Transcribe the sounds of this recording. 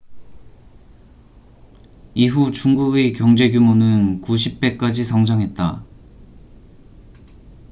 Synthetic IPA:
iɸut͡ɕuŋɡuɡekjʌŋd͡ʑe̞ɡjumonɯnkuɕʰip̚p͈e̞k͈ad͡ʑisʰʌŋd͡ʑaŋɦe̞t̚t͈a

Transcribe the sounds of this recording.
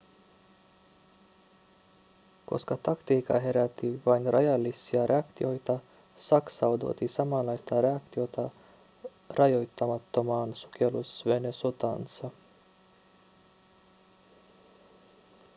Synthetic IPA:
ko̞̰skɑt̪ɑkt̪iːkɑ̰ɦeɾæt̪ːiʋɑjnɾʔajɑlʲisiɑɾʔeɑkt̪io̞jt̪ɑ | sɑksɑwd̪o̰ːt̪isɑmɑːlɑjst̪ɑːɾeɑkt̪iot̪ɑ | rʔɑjojt̪ːɑmɑt̪ːomɑːnsu̥k̟ʰʲelṵsvenesot̪ɑ̰nsɑ

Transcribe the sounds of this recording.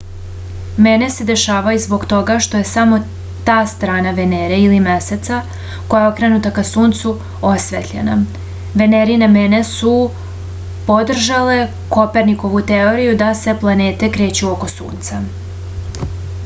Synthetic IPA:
me̞ne̞se̞d̪e̞ʃaːʋajuzbo̞ɡt̪o̞ɡaʃt̪o̞je̞samo̞ | t̪aːst̪ɾaːnaʋe̞neɾeilimese̞t̪sa | ko̞jao̞kɾenut̪akasuːnt̪su | o̞sʋḛt̪ʎe̞̰na̰ | ʋe̞neɾinemene̞su | po̞d̪r̩ʒale̞ | ko̞pe̞ɾniko̞ʋut̪eo̞ɾijud̪ase̞plˠane̞ːt̪e̞kɾe̞ːt͡ɕuoko̞sṵːnt̪sa

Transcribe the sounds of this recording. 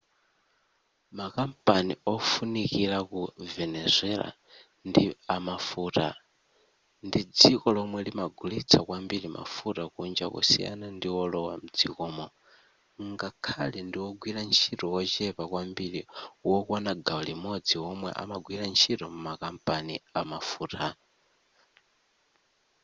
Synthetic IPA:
makampʼaniɔfunikiɾakuvɛnɛzʷɛla̰ | ndiamafuːta̰ | ndid͡zikɔlɔmwɛlimaɡʱulit͡sʰakwambiɾima̰futakund͡ʒa̰kṵsḭja̰nandiwɔlɔwam̩d͡zikɔːmɔ | ŋɡakʰalɛndiwɔɡʱwiɾant͡ʃʰitɔwɔt͡ʃɛpakwambiɺiwɔkɔnaɡaulimɔd͡ziwɔmwɛ̰ʔa̰maɡwiɾant͡ʃʰitɔmumakampʼaniamafuːta

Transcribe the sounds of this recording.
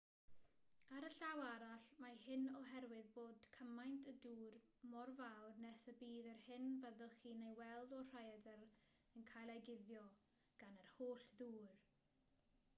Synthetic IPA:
aɾəɬawaɾaɬmahɪnɔɦɛɾwɨðboːdkʰəmajntʰəduːr | mɔrvawrnɛsəbiːðərhɪnvaðəχinejwɛlˠdɔr̥ajadəɾ | ənkʰajlˠajɡɪðjɔ | ɡ̥anərhoːɬðuːr

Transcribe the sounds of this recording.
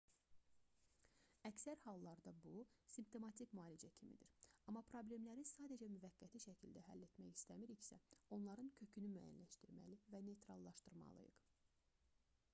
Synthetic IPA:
æcsæɾhɑlˠːɑɾd̪ɑbusimpt̪ʰo̞mɑt̪ʰicmɑːlid͡ʒæcʰimḭd̪iɾɑmːɑpʰɾo̞ble̞mlæɾisɑːd̪æd͡ʒæmyvæɡːæt̪ʰiʃæcʰild̪æɦæ̰lːe̞t̪mæçist̪æmiɾiçsæ̰o̞nlˠɑɾɯncʰø̞cʰynymæjæ̰nlæʃt̪iɾmæ̰livæne̞jt̪ɾɑlˠːɑʃt̪ɯɾmɑ̰lˠɯ̰jɯ̰q

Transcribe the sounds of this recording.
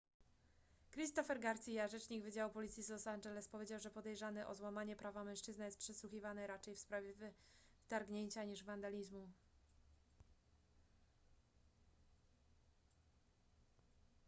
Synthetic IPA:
kɾist̪ɔfɛɾɡaɾt̪sʲijaʐɛt͡ʂɲiɡvɘd͡ʑawupɔlʲit̪sʲjislɔsanʐɛlɛspɔvʲjed͡ʑawʐɛpɔd̪ɛjʐanɘʔɔzwamaɲɛpɾavamɛ̃ʂt͡ʂɘznajɛst̪pʂɛswuxʲivanɛɾat͡ʂɛjfspɾavʲjɛvt̪aɾɡɲeɲt͡ɕaɲiʐvand̪alʲizmu

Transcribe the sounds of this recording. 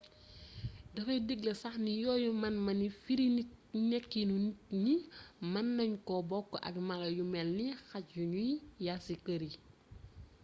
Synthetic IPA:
dɐfɐjdiɡlɐsɐxnijɔːjumɐnmɐnifiɾinɛkːinunimɐnːɐɲkɔbɔkːɔʔɐ̰kmalɐjumɛlnixat͡ʃjuɲujasikəɾi

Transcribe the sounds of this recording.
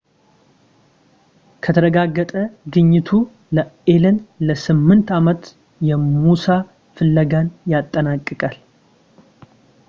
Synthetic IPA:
kʰət̪ʰəɾəɡaɡːət̪ʼəɡɨɲːɪt̪ʰu | ləelənləsɨmːɨnt̪ʰamət̪ | jɛmusa | fɨlːəɡanjat̪ʼːənakʼːɨkʼal

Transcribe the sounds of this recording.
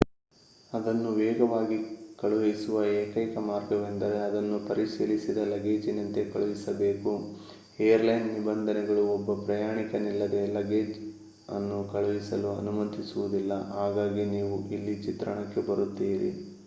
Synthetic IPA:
ɐd̪ɐnːuʋɛːɡɐʋaːɡikɐɭuʋesuʋɐeːkɐjkɐmaːɾɡɐʋend̪ɐɾe̞ɐd̪ɐnːupɐɾisiːlisid̪ɐlɐɡe̞ːd͡ʒinɐnt̪e̞kɐɭuʋisɐbeːku | ejɐɾlɐjnnibɐnd̪ʱɐnɛɡɐɭuɔbːɐpɾɐjaːɳikɐnilːɐd̪e̞lɐɡe̞ːd͡ʒ | ɐ̰nːukɐɭuʋisɐluɐ̰numɐnt̪isuʋud̪ilːɐɦaːɡaːɡiniːʋuʔilːit͡ʃit̪ɾɐ̰ɳɐkːe̞bɐɾut̪ːiːɾḭ

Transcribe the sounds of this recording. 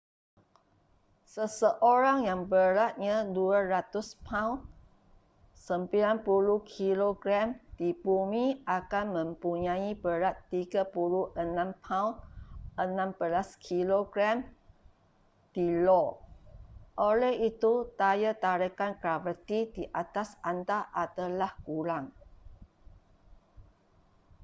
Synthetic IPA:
səsəʔoɾaŋjaŋbəɾat̪̚ɲãduaɾat̪ʊspʰãwn | səmpilanpuluhkʰiloɡɾamd̪̥ibumiʔakanmə̃mpuɲãibəɾat̪ːiɡapuluhʔənãmpʰãunənãmbəlaskʰiloɡɾam | d̥ilɔ | ʔolɛhit̪ut̪ajət̪aɾəkankɾavət̪idiʔat̪asant̪aʔat̪alahkulaŋ

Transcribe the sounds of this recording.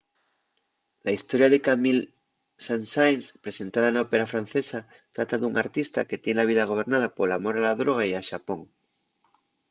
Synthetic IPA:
laist̪o̞ɾjaðekamil | sansajnspɾese̞nt̪að̞anaope̞ɾafɾanθe̞sa | t̪ɾat̪aðuŋaɾt̪ist̪a̰ke̞t̪je̞nlaβiðaɣ̞o̞β̞e̞ɾnað̞apo̞lamo̞ɾalaðɾo̞ɣ̞aiaʃapo̞ŋ

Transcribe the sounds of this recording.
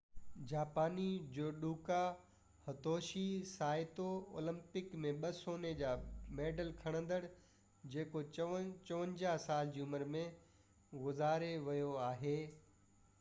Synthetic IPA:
d͡ʑaːpaːnid͡ʑoːɗuːka | hɐt̪oːʃisaːɪt̪oo̰ːlə̃mpɪkmẽɓɐsoːned͡ʑaːmeːɖəlkʰɐɽ̃ə̃nd̪əɽ | d͡ʑeːkot͡ɕɐʋə̃ɲd͡ʑaɦsaːld͡ʑiːʊməɾmẽ | ɣʊzaːɾeʋɐjoaːɦeː

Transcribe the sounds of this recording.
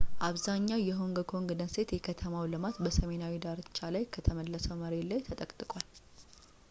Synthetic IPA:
ʔaβzaɲːawjɛɦoŋɡəkʰo̞ŋɡɨdənse̞t̪jɛkʰət̪ʰəmawlɨmat̪bəsəme̞nawid̪aɾɨt͡ʃːalajkʰət̪ʰəməlːəsəwməɾe̞lajt̪ʰət̪ʼəkʼt̪ʼɨkʼwal

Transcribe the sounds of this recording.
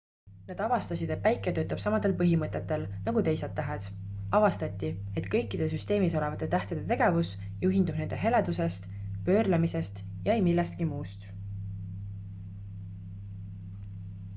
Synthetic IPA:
ned̪̥ɑvɑst̪ɑsid̪e̞t̪̚pæjkˑːet̪ø̞ːt̪ːˑɑb̥sɑmɑd̪̥e̞lpɤɦimɤt̪ːˑe̞t̪ːe̞lnɑɡ̥ut̪e̞jsed̪ːæɦesɑvɑst̪ɑt̪ʲːie̞t̪kɤ̞jkːˑid̪̥e̞s̬yst̪e̞ːmiso̞le̞vɑt̪ːˑet̪æht̪ed̪et̪e̞ɡ̥e̞vus | juɦind̪ub̥ne̞ne̞ɦe̞le̞d̪̥use̞st̪ | pø̞ːrlɑmise̞st̪ | jɑejmilːest̪̚kimuːst̪

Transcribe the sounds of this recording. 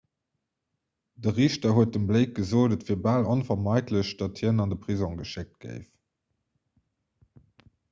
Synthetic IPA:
d̥əʁiːɕtɐɦuət̚dəmbleɪk̚ɡ̥əzoːdətfiːɐbaːlonfɐmɑɪtʰləɕd̥ɑthinɑndəpʁ̥izɔ̃ŋɡəʃek̚t̚ɡ̥ə̰ɪf

